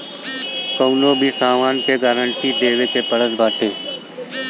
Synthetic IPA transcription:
kəʊnõbʱisaːmaːnkeɡaːɾəɳʈid̪eːʋekepəɽəsbaːʈʰeː

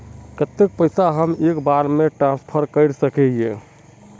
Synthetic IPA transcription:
kət̪ːek̚pəjsaɦəmekbaɾmeʈɾãnspʰəɾkəɪɾsəkɛɦijẽ

